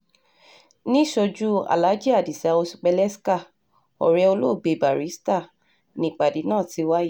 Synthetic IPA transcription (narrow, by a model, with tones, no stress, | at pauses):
nĩ˦ʃo˧d͡ʒu˦a̰˨la˨˦d͡ʒi˦a˨di˨si˨a˧o˧si̥˧k͡pɛ˧lɛ˦ska˦˨ | ɔ̰˨ɾɛ˧o˧lo˦˨ɡ͡be˨ba˨ɾi˨˦sta˦˨ | nĩ˨˦˨k͡pa˨di˨˦nãː˦˨ti˧wa˦ji˦˨